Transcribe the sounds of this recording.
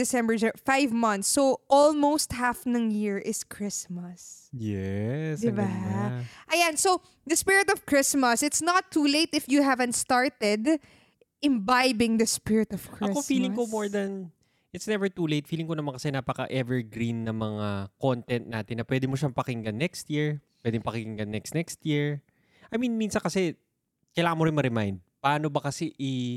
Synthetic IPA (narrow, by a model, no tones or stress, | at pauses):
dɪsɛ̃mbəɹzfajvmɐ̃ntθsːoʔɔlmost̪̚hafnɐŋjɪɹʔɪskʰɹɪsmɐsjɛsd̪ɪba | ʔɐjanso | d̪ɐspɪɹɪt̪ɔv̥kɹɪsmɐsɪt̪snɐt̪ʰːuːleɪt̪ɪfjuɦævɛ̃nt̪st̪aɹt̪ɛd̪ | ʔɪ̃mbajbɪ̃ŋd̪ɐspɪɹɪt̪ɔv̥kɹɐɪkofiːlɪ̃ŋkomoɹd̪ɐn | ʔɪt̪snɛvɛɹt̪uːlejt̪̚fiːlɪŋkonɐmaɐnkɐsɛnaːpɐkɐ̰ʔɛvɛɹɡɾinːɐmɐŋakont̪ɛnt̪̚naːt̪ɪnːɐpwɛd̪ɪmoʃamɐpɐkɪŋɡanːɛkst̪jiɹpwɛd̪ɪmpɐkɪkɪŋɡanːɛkst̪nɛkst̪jiɹ | ʔɐjminminsɐnkɐsɛ | kɐjlaːŋɐnmoɾɪnmɐɾɛmajnd̪̚pɐʔaːnobɐkɐsɛʔɪ